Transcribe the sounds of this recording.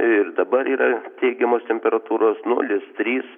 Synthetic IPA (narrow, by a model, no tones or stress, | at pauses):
ɪrd̪ɐbɐɾiːɾɐt̪ʲɛɪɡʲɛmoːst̪ʲɛmʲpʲɛɾɐt̪uːɾoːsnʊ̰lʲɪst̪ʲɾʲiːs